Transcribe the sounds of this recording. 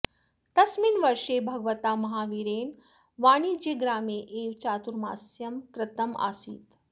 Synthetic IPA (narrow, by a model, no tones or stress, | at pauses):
t̪ɐsminʋɐɾʂeːbʱɐɡʋɐt̪aːmɐɦaːʋiɾeːn | ʋaːɳiːd͡ʒeːɡɾaːmeːʔeːʋt͡ʃaːt̪uɾma̰ːsjɐmkɾɪt̪ɐma̰ːsḭːt̪